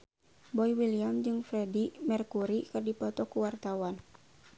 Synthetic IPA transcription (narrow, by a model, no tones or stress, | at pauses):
bɔiwiliamd͡ʒɨŋfɾɛdimɛrkuɾikɨrdipɔt̪ɔkuwart̪awan